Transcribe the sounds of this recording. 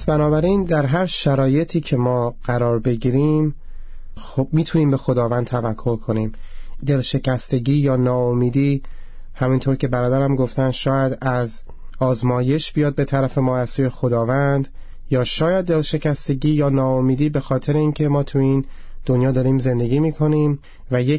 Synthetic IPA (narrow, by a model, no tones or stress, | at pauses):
sbænɒːbæɾind̪æɾɦæɾʃæɾɒːje̞t̪ʰiːcʰe̞mɒːɢ̥æɾɒːɾbe̞ɟiːɾim | obmiːt̪ʰuniːmbe̞xo̞d̪ɒːvænd̪t̪ʰævækʰːo̞ɾkʰo̞niːmd̪e̞lʃe̞cʰæst̪e̞ɟiːjɒːnɒːomiːd̪iːhæmint̪ʰoɾcʰe̞bæɾɒːd̪æɾæmɡo̞ft̪ænʃɒːjæd̪æz | ɒːzmɒːje̞ʃbijɒːd̪̚be̞t̪ʰæɾæfe̞mɒːæzsuːje̞xo̞d̪ɒːvænd̪ | jɒːʃɒːjæd̪̚ːe̞lʃe̞cʰæst̪e̞ɟiːjɒːnɒːomiːd̪iːbe̞xɒːt̪ʰe̞ɾeiːncʰe̞mɒːt̪ʰuin | d̪̥o̞njɒːd̪ɒːɾiːmze̞nd̪e̞ɟiːmiːkʰo̞niːm | væje